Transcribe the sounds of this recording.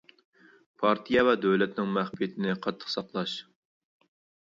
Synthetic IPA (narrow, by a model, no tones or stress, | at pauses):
pʰɑɾt̪ʰijɛvɛd̪øwlɛt̪nɪŋmæχpijɪt̪ʰɪnɪqʰɑt̪ʰːə̥qsɑqlˠɑʃ